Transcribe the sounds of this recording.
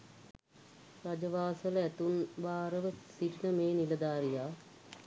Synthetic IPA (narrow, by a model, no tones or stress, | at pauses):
ɾad͡ʒɐʋaːsəlæt̪unbaːɾəʋəsiʈinəmeːnilɐd̪aːɾijaː